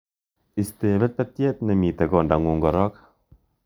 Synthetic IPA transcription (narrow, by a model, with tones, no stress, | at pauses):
ist̪e˨βɛ˦t̪̚pɛt̪je˦t̪nemi˨t̪e˨ɡɔ˨nda˨ŋwo˨ŋɡɔ˨ɾɔ˦k